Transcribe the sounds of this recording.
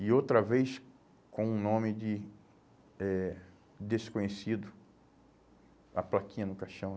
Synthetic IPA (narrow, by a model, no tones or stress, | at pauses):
ɪowt̪ɾɐvejs | kõũnõmɪd͡ʒɪ | ɛ | d̪eskõɲesid̪ʊ | ɐ̰plakĩɲɐnʊkaʃɐ̃w̃